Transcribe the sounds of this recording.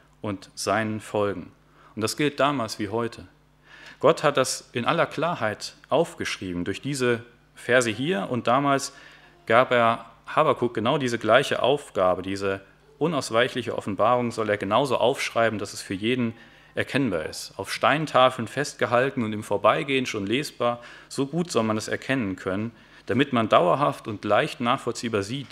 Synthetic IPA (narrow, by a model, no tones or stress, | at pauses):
ʔʊntz̥aɪnənfɔlɡŋ̩ | ʔʊnt̚d̥asɡ̥ɪlt̚d̥aːmaːlsv̥iːɦɔʏtʰə | ɡ̥ɔthat̚d̥asʔɪnʔalɐkʰl̥aːɐhaɪtʔaʊfɡ̥əʃʁ̥iːbm̩dʊɐçd̥iːzə | fɛɐzəɦiːɐʔʊnt̚d̥aːmaːls | ɡ̥aːpʔeːɐhaːbakʰuɡ̥ənaʊdiːzəɡlaɪçə̰ʔa̰ʊfɡ̥aːbədiːzə | ʔʊnaʊsv̥aɪçlɪçə̰ʔɔ̰fn̩baːʁ̞ʊŋzɔleːɐɡənaʊzo̰ːʔa̰ʊfʃʁ̥aɪbm̩dasɛsfyːɐjeːdn̩ | ʔɛɐkʰɛnba̰ːɐɪ̰staʊfʃtaɪntʰaːfl̩nfɛst̚ɡ̥əɦaltn̩ʊntiːmfoːɐbaɪɡeːənʃoːnleːsb̥aːɐz̥oːɡuːtz̥ɔlmanɛsɛ̰ɐkʰɛnənkʰœnən | d̥amɪtmandaʊɐɦaftʊntlaɪçtnaːχfɔlt͡siːbaːɐziːt